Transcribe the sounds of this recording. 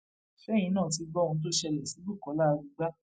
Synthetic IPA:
fɛ˨˦jĩ˧nãː˦˨ti˧ɡ͡bɔ˦˧ũ˧t̬o˦ʃɛ˧lɛ˨si˨˦bu˦˨kɔ˨˦la˦˧ɾu˧ɡ͡ba˦

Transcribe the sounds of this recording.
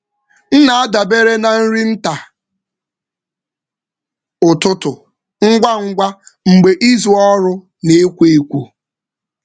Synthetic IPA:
n̩˦na˨a˦da˨be˦ɾe˦na˨n̩˦ɾi˦n̩˦ta˨ | ʊ˨tʊ˦tʊ˨ | ŋ̩˦ɡʷa˦ŋ̩˦ɡʷa˦ŋ͡m̩˨ɡ͡be˨ʔi˦zu˨ɔ˦ɾʊ˦ | ne˨e˦kʷe˦e˦kʷu˦

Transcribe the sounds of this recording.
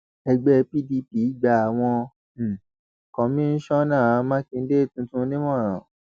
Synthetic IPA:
ɛ˧ɡ͡bɛ˧˦˧pi˦di˧˦pi˨˦ɡ͡ba˧a˨w̃ɔ̃˧˨ | kɔ̃˨mĩ˦n̩˦ʃɔ˦nãː˦˨˧mã˦kĩ˧n̩˦de˦˨tũ˧tũ˦nĩ˦mɔ̃˦˨ɾ̃ã˨

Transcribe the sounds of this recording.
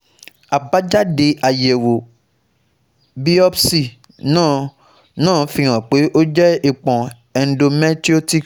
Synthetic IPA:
a˨ba˨˦d͡ʒa˦de˧ʔa˨jɛ˨wo˨ | bi˦ɔ˦bsi˦˨ | nãː˦˨ | nãː˦˨fĩ˧˦ɾ̃ã˨k͡pe˨˦ʔo˦d͡ʒɛ˦i˨k͡pɔ̃˨ | ɛ˨n̩˦do˧mɛ˦ti˦o˦ti˦k

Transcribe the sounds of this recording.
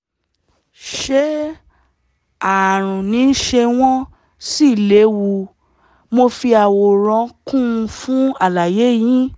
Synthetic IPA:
ʃe˦ | a˨ɾ̃ũ˨nĩ˨˦ʃe˧w̃ɔ̃˦ | si˦˨le˨˦wu˧ | mo˧fi˧a˨wo˨ɾ̃ɔ̃˧kũ˦˧fũ˨˦a˦˨la˨je˨˦jĩ˦

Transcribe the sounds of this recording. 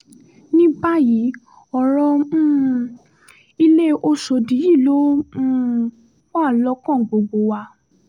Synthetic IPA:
nĩ˦ba˦ji˨˦ | ɔ˨ɾ̃ɔ̃˧˦ | i˧le˦o˦˧ʃo˧˨di˨˦ji˦˨lõ˦ | kɔ̃˦˨lɔ˦kɔ̃˦˨ɡ͡bo˧ɡ͡bo˧wa˧

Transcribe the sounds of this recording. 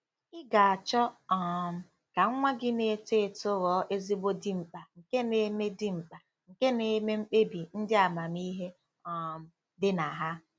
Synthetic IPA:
ɪ˦ɡa˨a˨t͡ʃɔ˦ɔ˦˨m̩˨ | ka˨ŋ̩˦ŋʷa˦ɡɪ˦ne˨te˨to˦ɣɔ˨˦ʔe˦zi˦bo˦di˦ŋ͡m̩˨k͡pa˨ŋ̩˨ke˦ne˨˦me˦di˦ŋ͡m̩˨k͡pa˨ | ŋ̩˨ke˦ne˨me˦ŋ͡m̩˦k͡pe˦bi˨n̩˦dɪ˦a˨ma˨mi˦ɦe˦ | ɔ˨m̩˨ | dɪ˦na˨ɦa˦

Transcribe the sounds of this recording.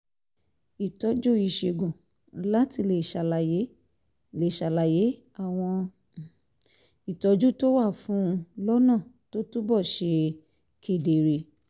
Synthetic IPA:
i˨tɔ˨˦d͡ʒo˦i˦˧˨ʃe˧˨ɡũ˨˦ | la˦ti˧le˨ʃa˨la˧˨je˨˦ | le˨ʃa˧˨la˨je˨˦ | a˦˨w̃ɔ̃˧ | i˨tɔ˨˦d͡ʒu˦to˦wa˦˨fũ˦˧lɔ˦nã˦˨to˦tu˦bɔ˦˨ʃe˧ | kʰe˦˨de˨ɾe˧˦

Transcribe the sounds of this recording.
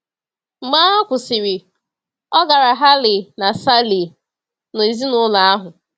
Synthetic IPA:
m̩˨maː˦ɔ˦kʷʊ˨sɪ˨ɾi˨ | ɔ˦ɡa˨ɾa˨ɦa˦lɪ˨na˨sa˦li˨ | no˨i˨zi˦nʊ˦la˨a˦ɦʊ˨

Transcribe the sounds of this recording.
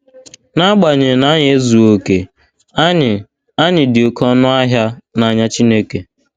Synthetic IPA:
na˦ɡ͡ba˨ɲɪ˨na˦ɲe˨˦zu˨o˨ke˨˦˨ | a˦ɲɪ˨dɪ˨o˨kʰɔ˦nʊ˦a˦ɦja˦na˨ɲa˦t͡ʃi˦ne˦ke˨

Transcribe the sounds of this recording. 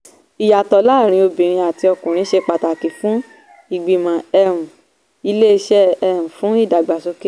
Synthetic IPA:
i˨ja˨tɔ˨˦laː˦˨ɾ̃ĩ˧o˧bĩ˨ɾ̃ĩ˧a˨ti˧ɔ˧kũ˨ɾ̃ĩ˧˦ʃe˧k͡pa˧ta˨ki˨fũ˨˦ | i˨ɡ͡bi˨mã˨ɛ˧ɾũ˨ | i˧le˦i˧ʃɛ˦ɛ˧ũ˨fũ˦i˦˨da˨ɡ͡ba˨so˧ke˦

